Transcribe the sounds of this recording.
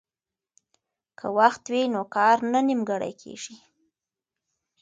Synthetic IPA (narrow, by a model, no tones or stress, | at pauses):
kʰə̰waxt̪winokɑɾnanimɡaɽa̰jkʰḛʐi